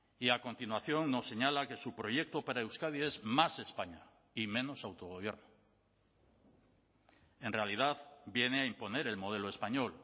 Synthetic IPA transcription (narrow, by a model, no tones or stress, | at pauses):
iako̞nt̪inwaθjo̞ŋno̞sːe̞ɲalake̞supɾo̞ʝe̞k̚t̪opaɾaewskaðie̞zmase̞spaɲa | imẽ̞no̞sawt̪o̞ɣ̞o̞β̞je̞ɾno | e̞nrealið̞aðbje̞neaimpo̞ne̞ɾe̞lmo̞ð̞e̞loe̞spaɲo̞l